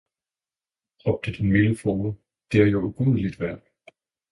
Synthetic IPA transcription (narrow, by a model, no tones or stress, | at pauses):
ʁɒ̽b̥̚d̥əd̥enmiləfɔːmə | d̥e̝æɐjouɡ̥uð̩ˠlid̥ʋæɐ̰d̥